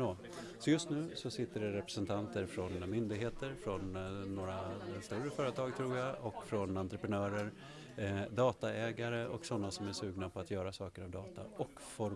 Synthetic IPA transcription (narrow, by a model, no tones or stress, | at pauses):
oː | sɔjɵst̪nʉ̟ːsɔsɪt̪ːəɖɛɾɛpɾɛ̥sɛnt̪ʰant̪əɾfɾɔnmʏnd̪ɪɡɦeːt̪əɾfɾɔnːoːɾast̪ɵɾəfœːɾət̪ʰɑːɡt̪ʰɾuːɾjaɔkːfɾɔnant̪ɾəpɾɛnœːɾəɾ | d̪ɑːt̪aɛːɡaɾəʔɔksɔnːasɔmæʂʉ̟ːɡnapʰɔat̪jœːɾasɑːkəɾavd̪ɑːt̪a̰ɔk | fɔɾ